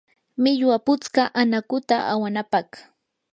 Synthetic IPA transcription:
mɪʎwapʊt͡skaʔanakʊt̪aʔawanapɑχ

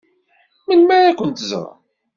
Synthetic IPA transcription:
mənmæɾækʷənt̪z̰ɾˤɑ̰

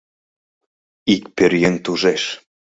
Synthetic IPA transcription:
ikpøɾjent̪uʒeʃ

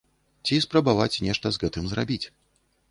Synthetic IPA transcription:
t͡sʲispɾɐbavat͡sʲnʲɛʂt̪ɐzɣɛt̪ɨmzrabʲit͡sʲ

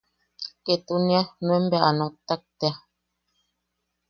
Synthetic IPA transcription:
ket̪unĩanũembeaʔanõt̪ak̚t̪ea

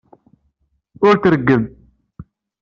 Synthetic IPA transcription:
ʊɾθɾəɡːəm

